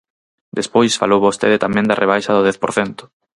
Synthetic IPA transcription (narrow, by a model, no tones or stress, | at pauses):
d̪espojsfa̰lowβost̪eðet̪amɛ̃nd̪ɐrʔeβ̞ajʃɐðʊðɛθpo̰ɾθɛnt̪ʊ̥